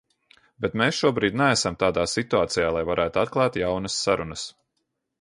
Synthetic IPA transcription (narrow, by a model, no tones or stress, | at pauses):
bet̪meːsʃuɔbɾiːd̪nææsamt̪aːd̪aːsit̪uaːt̪sɛjaːlˠajvaɾʔæːt̪uat̪klˠɑːt̪jawnɐsːaɾunɐs